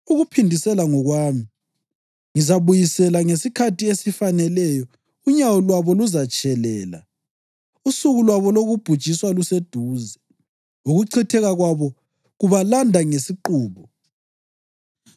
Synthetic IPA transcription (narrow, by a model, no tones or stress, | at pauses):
uɣupʰindʱisɛlaŋɔɣwaːmi | ŋizaβujisɛlaŋesikʰatʰiesifanɛlɛjɔ | uɲawɔlwaβɔluzat͡ʃʼʰɛlɛːla̰ | usuɣulwaβɔloɣub̥ʱud̥ʒ̥ʱiswalused̥ʱuːzɛ | ŋuɣuǀʰitʰɛɣaɣwaβɔ | ɣuβalandʱaŋesiǃuːβɔ